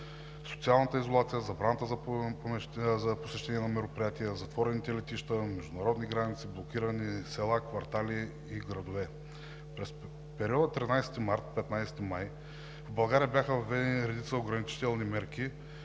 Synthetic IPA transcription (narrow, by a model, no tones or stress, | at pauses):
so̥t̪sialˠnət̪əizolˠat̪sijəzɐbɾanɐt̪əzɐɛzɐposɛʃt̪ɛniɛnɐmɛɾopɾijat̪iəzɐt̪v̥ɔɾɛnit̪ɛlɛt̪iʃt̪əmɛʒd̪ʊnɐɾɔd̪niɡɾanit̪siblˠokʲiɾənisɛlˠakvɐɾt̪aliː | ɡɾɐd̪ovɛ | ɾɛs | pɛɾiɔd̪ət̪ɾinajsɛ̥t̪imaɾt̪̚pɛt̪najsɛ̥t̪imaj | vbɐlˠɡaɾʲijəbjaxəvɐvɛd̪ɛniɾɛd̪it̪səoɡɾɐnit͡ʃi̥t̪ɛlˠnimɛɾki